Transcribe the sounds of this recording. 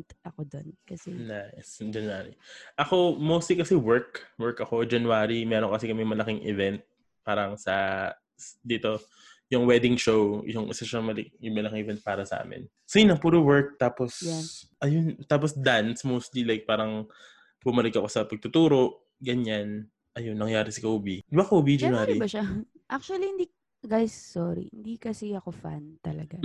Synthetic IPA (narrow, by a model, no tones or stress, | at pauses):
ʔɐkod̪onkɐsɛnajsd͡ʒɐnwaɾḭʔɐko̞mowst̪likɐsɛwɛɹkwɛɹkɐko̞d͡ʒɐnwaːɾimɛːɾoŋkɐsɛkɐmɛmɐlɐkɪŋʔɪvɛnt̪̚ | paːɾɐŋsɐ | sd̪iːt̪o̞ | jʊŋwɛd̪ɪŋʃowjʊŋʔɪ̰sɐʃɐŋmɐlɪk̚jʊŋmɐlɐkɪŋɛvɛnt̪̚paːɾɐsɐʔa̰ːmɪ̰n | soɪnɐŋpuːɾowɛɹk̚t̪aːposjaʔɐjont̪aːp̬osd̪ansmowst̪lilajk̚paːɾɐŋ | bʊmɐlɪkɐko̞sɐpɐɡ̚t̪ʊt̪uːɾo̞ʔ | ɡɐɲan | ʔɐjonːɐŋjaːɾɪsɐkɐʔuːbid̪bakɐʔuːbid͡ʒnaɾibɐʃa | ʔak̚t͡ʃuɐlihɪnd̪i | ɡajsːoɾḭhɪnd̪ikɐsiɐkofa̰nt̪ɐlɐɡa